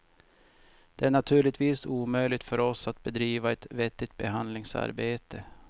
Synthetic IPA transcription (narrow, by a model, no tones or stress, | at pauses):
d̪̥ɛæɳat̪ʰʉ̟ːɭɪt̪viːsuːmœjlɪt̪fœɾɔsat̪̚bɛd̪ɾiːvaɛt̪vɛt̪ːɪt̪̚bɛɦand̪lɪŋsa̰ɾbeːt̪ə